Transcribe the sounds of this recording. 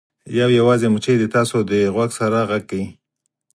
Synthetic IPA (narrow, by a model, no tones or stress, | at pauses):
jawjawɑzemʊt͡ʃejd̪ət̪ɑsod̪əɣwaɡsaɾaɣaɡ̚kːawi